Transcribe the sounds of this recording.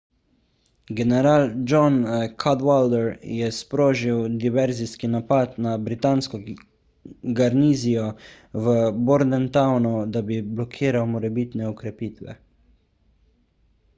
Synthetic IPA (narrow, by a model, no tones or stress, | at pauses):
ɡɛnɛɾaːld͡ʒɔnkʰad̪wald̪ɛɾjɛspɾoːʒiwd̪iʋɛɾziskinapat̪nabɾit̪aːnskɔ | ɡaɾniːzijɔ | ʋəbɔɾd̪ɛnt̪awnud̪abiblɔkʰiːɾawmɔɾɛbit̪nɛɔkɾɛpiːt̪ʋɛ̰